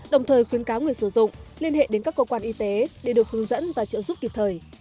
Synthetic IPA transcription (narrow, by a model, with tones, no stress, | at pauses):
ɗə˨˩wŋ͡mt̪ʰəː˨˩jxwi˨˦ənkaː˨˦wŋi˨˩əjsɨ˧˩zʊ̰˧˨ŋ͡mli˧ənhḛ˧˨ɗe˨˦nkaː˦˥kːə˧kwaː˧nʔi˧t̪e˨˦ɗe˧˩ɗo˨˩t̚hɨ˨˦əŋzə̰˧˥nvaː˨˩t͡ɕɨ̰˧˨zu˦˥p̚ki˨˩p̚t̪ʰəː˨˩j